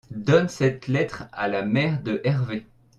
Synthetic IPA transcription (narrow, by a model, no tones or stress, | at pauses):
d̪ɔnsɛt̪lɛt̪χalamɛʁd̪əʔɛʁve